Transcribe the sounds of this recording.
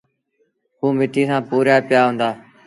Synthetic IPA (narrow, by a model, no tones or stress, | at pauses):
ɦuːmɪʈiːsãːpuːɾjaːpɪjaːɦʊ̃ːnd̪aː